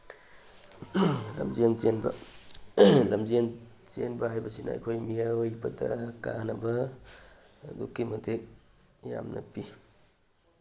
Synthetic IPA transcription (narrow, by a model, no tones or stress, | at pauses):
lɐ̰mzient͡ʃenbɐ̰ | lɐmzin | t͡ʃenbɐhajbɐsinɐ̰ɐ̰jkʰojmijajbɐdɐkanɐbɐ | dukːimɐtek̚ | ja̰mnɐpi